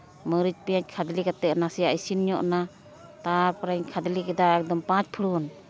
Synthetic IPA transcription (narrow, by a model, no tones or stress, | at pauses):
mɯɾit͡ʃ̚pijat͡ʃ̚kʰad̪likat̪ɛnasijaisinɲɔʔna | t̪apɾaɲkʰad̪ilikɛd̪aɛk̚d̪ɔmpãt͡ʃ̚pʰɯɾun